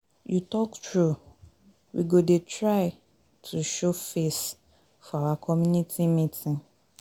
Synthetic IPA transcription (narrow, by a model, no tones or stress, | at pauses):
jutɔktʰɹu | wḭɡodetʰɹaɪ | tʰuʃofes | fɔawakʰɔmjũnitʰimĩtʰĩn